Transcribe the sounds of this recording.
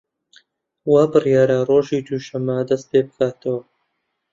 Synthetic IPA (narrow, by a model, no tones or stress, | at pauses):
waːbɨrjaːɾaroːʒiːd̪uːʃɐmːad̪ɐst̪̚peːbɨkʰaːt̪ɐwɐ